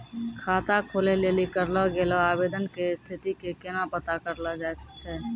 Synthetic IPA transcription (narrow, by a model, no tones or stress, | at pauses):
kʰaːt̪akʰolelelikəɾlɔɡelɔaːbeːd̪ənkest̪ʰit̪ikekenapət̪akəɾlɔd͡ʒaesə̥k̚t͡ʃʰɛ